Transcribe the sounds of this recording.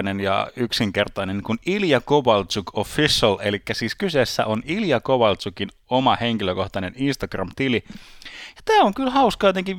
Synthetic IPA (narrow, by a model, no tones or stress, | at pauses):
nenjɑ̰yksiŋkert̪ɑinenkuniljɑkoʋɑlt͡sukʰofisɑlelikːæsiːskysesːæ̰ʔoniljɑkoʋɑlsukin | omɑhe̞ŋkiløko̞ht̪ɑne̞ninst̪ɑɡ̥rɑ̰mt̪ili | jɑt̪æːoŋkylhɑuskɑjot̪eŋkiʋ